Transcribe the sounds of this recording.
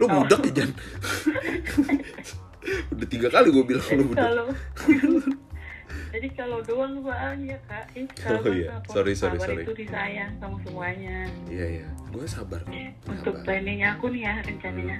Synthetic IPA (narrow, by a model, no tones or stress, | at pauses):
lobudakid͡ʒan | udaht̪iɡakaliɡuabilaŋlobukdalo | d͡ʒadikalodoaŋbaʔaŋjakaʔɪajaaksoɾisoaɾibaɾiɾit̪udisajaŋsamasəmuaɲaijajaɡuɛsabarunt̪ʊk̚paneɲakʊnijaɾəɲt͡ʃanaɲa